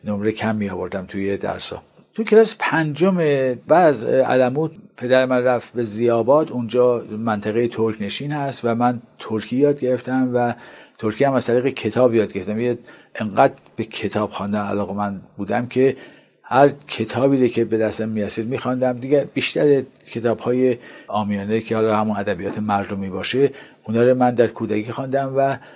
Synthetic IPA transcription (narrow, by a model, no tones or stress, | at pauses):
nomɾekʰæmːijɒːvo̞ɾd̪æmt̪ʰujed̪æ̰ɾsɒ̰ː | t̪ʰukʰelɒːse̥pʰænd͡ʒomebæːd̪æzæ̰læmuːt̪pʰe̞d̪æɾemænræfbe̞zijɒːbɒːd̪und͡ʒɒːmænt̪ʰæɣejet̪ʰoɾkʰne̞ʃiːnhæst̪væmænt̪ʰoɾkʰijɒːd̪̚ɡe̞ɾe̞ft̪æmvæt̪ʰoɾkʰijæmæzt̪æɾiːɣekʰe̞t̪ʰɒːbjɒːd̪̚ɡeɾeft̪æmijeʔeŋɢæːd̪ | b̥ecʰe̞t̪ʰɒːb̥xɒnd̪ænæ̰lɒːɣe̞mænd̪buːd̪æmcʰe̞ | hæɾcʰe̞t̪ʰɒːbiːɾocʰe̞be̞d̪æst̪æmːijæsiːd̪miːxɒnd̪æmd̪iɡebiːʃt̪æɾe | kʰe̞t̪ʰɒːbhɒːje̞ʔɒːmijɒːnecʰehɒːlɒːhæmunæd̪æbijɒːt̪ʰemæɾd̪omiːbɒːʃeʔunɒːɾomænd̪æɾkʰuːd̪ækʰiːxɑnd̪æmvæ